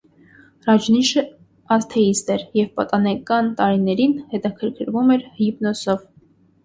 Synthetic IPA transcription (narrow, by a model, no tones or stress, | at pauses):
rɑd͡ʒniʃə | ɑst̪ʰɛist̪ɛɾjɛvpɑt̪ɑnɛkɑnt̪ɑɾinɛɾinhɛt̪ɑkʰəɾkʰəɾvumɛɾhipnɔsɔv